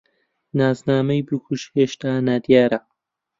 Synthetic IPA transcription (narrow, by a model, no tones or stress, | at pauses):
naːznaːmɐjbɨkʰuʃheːʃt̪aːnad̪jaːɾɐ